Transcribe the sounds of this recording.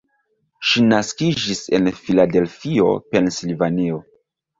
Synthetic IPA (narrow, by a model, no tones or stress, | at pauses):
ʃinaskid͡ʒise̞̰nfilade̞lfio̞̰pe̞nslivanio